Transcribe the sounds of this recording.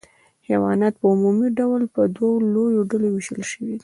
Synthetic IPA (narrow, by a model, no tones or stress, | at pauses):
hewɑnɑt̪pəumumiɖawlpəd̪walojoɖalowiʃəlʃəwid̪i